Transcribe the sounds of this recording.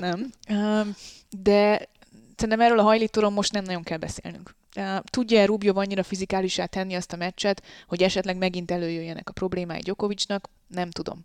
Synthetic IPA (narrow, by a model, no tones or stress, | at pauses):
nɛm | d̪ɛ | sɛɾinɛmɛɾøːlɒɦɒjliːt̪oːɾo̞mːo̞ʃt̪nɛmnɒɟo̞ŋkɛlbɛsḛːlny̰ŋkː | t̪uɟːɒɛɾubijovɒɲːiɾɒfizikaːliʃaːt̪ɛnːiɒst̪ɒmɛt͡ʃːɛt̪ho̞ɟɛʃɛt̪lɛɡmɛɡint̪ɛløːjøjːɛnɛ̰kɒ̥pro̞bleːma̰ːjḭɟo̞ko̞vit͡ʃnɒk | nɛmt̪ud̪o̞̰m